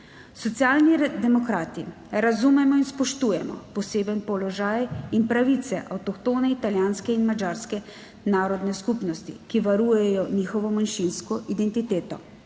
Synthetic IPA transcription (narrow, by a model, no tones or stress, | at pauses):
sɔt̪sjaːlnid̪ɛmɔkɾaːt̪i | ɾazumɛmɔinspɔʃt̪uːjɛmɔ̰pɔseːbənpɔlɔʒaːjinpɾaʋit̪sɛʔawt̪ɔkt̪oːnɛit̪aljaːnskɛinmad͡ʒaːɾskɛ | naːɾɔd̪nɛskupnɔst̪ḭkiʋaɾuːjɛjɔniːxɔʋɔmanʃinskɔʔid̪ɛnt̪it̪eːt̪ɔ̰